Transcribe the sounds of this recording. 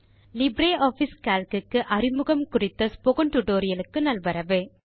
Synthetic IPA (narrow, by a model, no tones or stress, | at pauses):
lɪbɾeːʔaːfiskaːlkɯkːɯʔɐrɪmɯɣɐmkʊrɪt̪ːɐspɔɣɯɳʈ̪ʊʈoːɾɪjɐlɯkːɯnɐlʋɐɾɐʋɯ